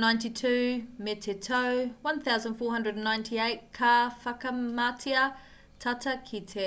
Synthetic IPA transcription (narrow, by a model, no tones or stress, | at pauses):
nãɪ̃ntitʰʉːmɛtʰɛtʰəʊwɐ̃nθaʊzə̃nd̥fɔːɦʌ̃ndɹədə̃nːãɪ̃ntʰieɪt̚kʰafakəmatʰiə | tʰatʰəkʰitʰe